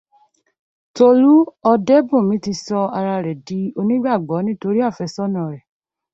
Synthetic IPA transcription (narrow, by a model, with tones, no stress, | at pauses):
to˧ɾu˦ɔ˧dɛ˦bũ˦˨mĩ˨˦ti˧sɔ˧a˧ɾa˧ɾɛ˨di˨˦o˧nĩ˦ɡ͡ba˦˨ɡ͡bɔ˨˦nĩ˦to˧ɾi˦a˦˨fɛ˨˧sɔ˦nã˦˨ɾɛ˨